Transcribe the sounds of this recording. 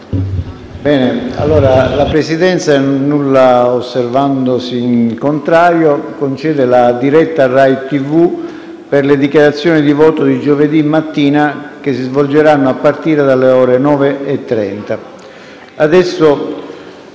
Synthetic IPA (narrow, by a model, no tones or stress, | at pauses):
bɛːnea̰lːoːɾalapɾesid̪ɛnt̪sanːulːaosːervand̪osiŋkont̪ɾaːɾjokont͡ʃɛːd̪elad̪iɾɛt̪ːarajt̪ivu | perled̪ikjaɾat̪sːjɔːnid̪ivɔːt̪od̪id͡ʒoved̪imːat̪ːiːnak̟esːizvold͡ʒeɾanːoapːart̪iːɾed̪alːeɔːɾenɔːveːt̪ːɾɛ̰nt̪a | ad̪ɛsːo